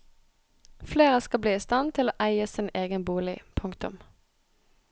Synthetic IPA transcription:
fleːʁəskɑbliːɪst̪ɑnt̪ʰɪloːʔæɪəsɪneːɡənbuːlɪ̰pʰʊŋkt̪ʊ̰m

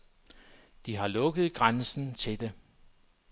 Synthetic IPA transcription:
d̥iɦɑ̈lɔ̽ɡ̥əð̞̩ˠɡ̥ʁansn̩t͡sʰe̝d̥e̝

